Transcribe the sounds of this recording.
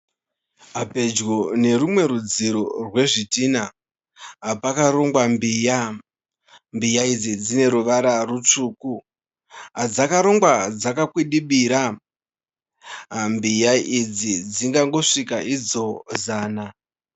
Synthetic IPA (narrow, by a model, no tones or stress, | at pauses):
ɦape̞d͡ʒɡone̞rumwe̞ɾud͡ziɾorwe̞ʐitina | ɦapakaɾo̞ŋɡwambiːja | mbijaid͡zid͡zine̞ɾuʋaɾarut͡ʂuːku | ɦad͡zakaɾo̞ŋɡwad͡zakakwiɗiɓiɾa | mbijaʔid͡zid͡ziŋɡaŋɡo̞ʂikaʔid͡zo̞zaːna